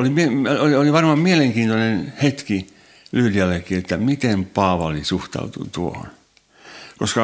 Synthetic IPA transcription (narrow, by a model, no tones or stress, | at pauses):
olimieolioliʋɑrmɑmmieleŋkiːnt̪onenhet̪ki | lyhyliælːækːiet̪ːæmit̪empɑːʋɑlisuht̪ɑ̰ut̪ṵt̪uoho̰n | koskɑ